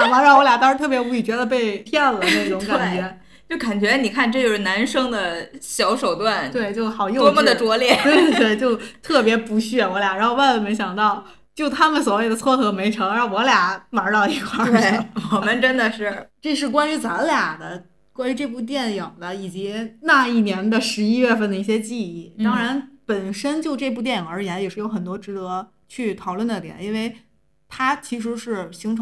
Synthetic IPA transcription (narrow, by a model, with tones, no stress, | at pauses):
a˨˩ma˧˥ɻɑ˥˩ŋwɔ˧˥lja˨˩t̪ɑ˥ʂɻ̩˧˥t̪ʰɤ˥˩p̬jɛ˧˥u˧˥i˨˩t͡ɕɥɛ˧˥d̪ə˨˧p̬e˥˧ɪpʰjɛ˥˩nlə˩˨˩na˥˩˧ʈ͡ʂʊ˧˥ŋka˨˩nt͡ɕɥɛ˧˥ | t͡ɕjo˥˩ka˨˩nt͡ɕɥɛ˧˥ni˨˩kʰa˥˩˧nʈ͡ʂɤ˥˧t͡ɕjo˧˩ʊʂɻ̩˥˩na˧˥nʂɤ˥ŋd̪ə˨ɕjɑ˧˥ʊʂo˨˩ʊt̪wa˥˩nt̪we˥˧ɪt͡ɕjo˥˩ʊxɑ˨˩ʊjo˥˧ɔ˥mu˥d̪ə˩ʈ͡ʂwɔ˧˥ljɛ˥˩t̪we˥˩˧we˥˩ɪt͡ɕjo˥˧ʊt̪ʰɤ˥˩pjɛ˧˥pu˧˥ɕɥɛ˥˩wɔ˧˥lja˨˩ɻxo˥˧wa˥˩nlə˩me˧˥ɪɕjɑ˨˩ŋt̪ɑ˥˩ʊ | t͡ɕjo˥˩ʊt̪ʰa˥mə˨nswɔ˧˩˥we˥˩ɪd̪ə˩t͡sʰwɔ˥˩t̪ʰɤ˧˥me˧˥ɪʈ͡ʂʰɤ˧˥ŋ˥˩wɔ˧˥lja˨˩ma˧˥t̪ɑ˥˧ʊi˧˥kʰwa˥˩e˥˩wɔ˨˩mə˦nʈ͡ʂə˥nd̪ə˨ʂɻ̩˥˩ʈ͡ʂɤ˥˧ʂɻ̩˥˩kwa˥ny˧˥t͡sa˧˥lja˨˩d̪ə˦ | kwa˥ny˧˥ʈ͡ʂe˥˧p̬u˥˧t̪̬jɛ˥˩njɤ˨˩ŋd̪ə˦i˨˩t͡ɕi˧˥na˥˧i˥˩njɛ˧˥nd̪ə˨ʂɻ̩˧˥i˥ɥɛ˥˧fə˥˩nd̪ə˩i˥˩ɕjɛ˥t͡ɕi˥˧i˥˩t̪ɑ˥ŋɻa˧˥npə˨˩nʂə˥nt͡ɕjo˥˧ʊʈ͡ʂe˥˧p̬u˥˧t̪jɛ˥˩˧njə˞˧˥˧la˧˥jʂɻ̩˥˩jo˧˥ʊxə˨˩nt̪wɔ˥ʈ͡ʂɻ̩˧˥d̪ɤ˧˥ | t͡ɕʰy˥˩t̪ʰɑ˨˩ʊlwə˥˩nd̪ə˥˩t̪jɛ̰˨˩ni˥nwe˥˩ɪ | t̪ʰa˥t͡ɕʰi˧˥ʂ̬ɻ̩˧˥ʂɻ̩˥˩ɕi˧˥ŋʈ͡ʂʰ